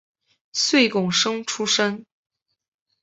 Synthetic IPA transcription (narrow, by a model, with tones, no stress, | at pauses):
swe˥˩ɪkʊ˨˩ŋʂɤ˥ŋʈ͡ʂʰu˥ʂə˥n